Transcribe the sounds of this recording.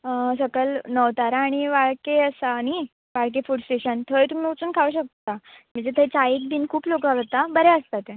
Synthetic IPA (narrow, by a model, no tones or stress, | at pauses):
əsəkəlnəʋt̪aɾaɽ̃iʋaɭkeəsañi | ʋaɭk̬efuʈsʈeɕənt̪ʰəjt̪um̤iːut͡suːnkʰaʋuɕək̚t̪am̤əɳd͡zet̪ʰət͡saik̚biːnkʰuːplokaɡət̪abəɾɛəst̪at̪ẽ